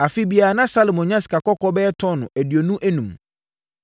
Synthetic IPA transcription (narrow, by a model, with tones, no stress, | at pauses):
a˨fi˦bi˨a˨nã˦sa˦lo˨mɔ̃˨ɲã˦si̥˨kʰa˨kɔ˦kɔ˦bɛ˦ɛ˦tʰɔ˦nʊ̰̃˨ʔæ˨di˨o˨nũ˦ʔæ˦nũ˨m